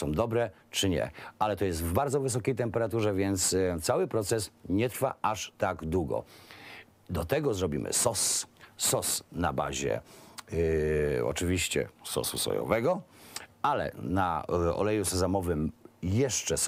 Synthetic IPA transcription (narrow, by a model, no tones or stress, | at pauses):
sɔ̃w̃d̪ɔbɾɛ | t͡ʂɘɲɛ̰alɛt̪ɔjɛst̪vbaɾd̪zɔvɘs̬ɔkʲejt̪ɛmpɛɾat̪uʐɛvʲjɛnt̪st̪sawɘpɾɔt̪sɛsɲɛt̪ɾfa̰aʂt̪aɡd̪wuɡɔ̰ | d̪ɔt̪ɛɡɔzɾɔbʲḭmɘ̰sɔssɔsna̰ba̰ʑɛ̰ | ɔ̰t͡ʂɘvʲiɕt͡ɕɛ̰sɔ̰susɔ̰jɔ̰vɛɡɔ | alɛ̰na̰ɔ̰lɛjusɛzɔmɔvɘmjɛʂt͡ʂɛs